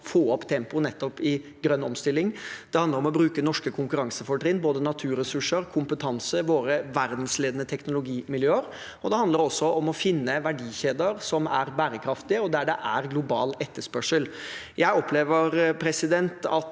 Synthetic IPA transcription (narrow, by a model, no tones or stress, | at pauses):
foːɔpt̪ʰɛmpʊnɛt̪ːɔpɪɡɾœnːɔmst̪ɪlːɪŋd̪̥ɛhɑnd̪əɾɔmɔbɾʉːkənɔʂkəkʰʊŋkʉɾɑŋsəfɔʈɾɪnboːd̪ənɑt̪ʰʉːɾɛsʉʂəɾkʰʊmpət̪ʰɑnsəʋoːɾəʋæɾd̪n̩sleːd̪ənət̪ʰɛknʊlʊɡiːmɪljøːəɾ | ɔd̪ɛhɑnd̪ləɾɔsːɔʔɔmɔfɪnːəʋæɖiːçeːd̪əɾsɔmæɾbæːɾəkʰɾɑft̪ɪəɔd̪æɖɛʔæɾɡlʊbɑːlɛt̪ːəʂpœʂəl | jæɪɔpleːʋəɾpʰɾɛsɪd̪ɛnt̪ɑt̪